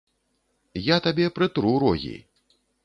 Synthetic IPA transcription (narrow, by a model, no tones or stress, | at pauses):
jat̪abʲɛpɾɨt̪ɾuɾɔɣʲḭ